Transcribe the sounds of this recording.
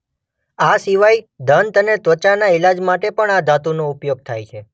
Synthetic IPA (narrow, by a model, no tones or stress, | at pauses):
asiʋaj | d̪ʱənt̪ənet̪ʋət͡ʃanaɪlad͡ʒmaʈepəɳad̪at̪unoupjoɡ̚t̪ʰajt͡ʃʰe